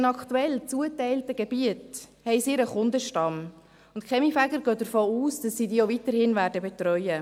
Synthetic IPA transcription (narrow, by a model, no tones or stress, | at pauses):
nɑkʰtuɛlt͡suətɛɪltəɡ̥ɛb̥iəthɛɪsiɾəχʊndəʃtɑm | ʊntkʰχɛmifæɡəɾɡœːd̥əɾfoːuːsd̥ɑsːiːdiːovitəɾhɪnvæːɾdəbɛt̪ɾœʏə